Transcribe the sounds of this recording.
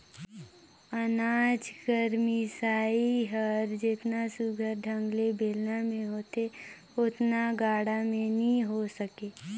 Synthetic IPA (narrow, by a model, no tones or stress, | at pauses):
ənaːd͡ʒkəɾmisaːiɦəɾd͡ʒɪt̪nasuɡʱəɾɖʱə̃ŋɡlebʱeːlnamẽɦoːt̪e | ʊt̪naɡaːɽamẽnĩɦosəkeː